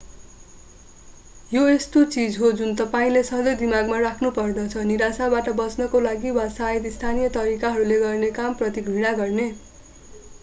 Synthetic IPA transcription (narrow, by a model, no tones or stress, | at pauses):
joest̪ot͡sid͡zɦod͡zunt̪ʌpaĩlesʌ̃d̪ʌjd̪imaɡmarakʰnupʌrd̪ʌt͡sʰʌniɾasabaʈʌbʌsnʌkolaɡiwasaed̪ist̪ʰanijʌt̪ʌɾikaɦʌɾuleɡʌrnekamprʌt̪iɡʱiɽ̃aɡʌrne